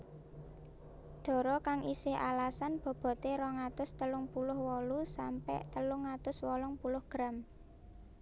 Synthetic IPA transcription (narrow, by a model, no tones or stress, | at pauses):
ɖ̪̥ɔ̤ɾɔkaŋʔisɪhʔa̰lasanb̥ɔ̤b̥ɔ̤t̪eɾɔŋat̪ʊst̪əlʊŋpulʊhwɔlusampɛ̰ʔt̪əlʊŋːat̪ʊswɔlɔŋpulʊhɡ̥ɾam